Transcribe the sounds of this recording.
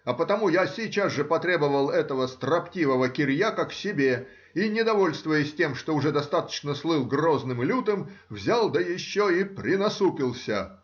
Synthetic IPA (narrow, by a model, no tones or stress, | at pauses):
ɐpət̪ɐmujasʲɪt͡ɕazʐɨpɐt̪ɾʲe̞bəvəlˠɛt̪əvəst̪rɐptʲivəvəkʲɪɾʲjakakfsʲɪbʲe | inʲɪd̪ɐvo̞lʲst̪vʊjɪsʲtʲe̞mʂt̪oʊʐɛd̪ɐst̪at̪ə̥t͡ɕnəslˠɨlˠɡro̞znɨmlʲut̪ɨmvzʲalˠd̪əjɪɕːoipɾʲɪnɐsupʲɪlˠsʲə̰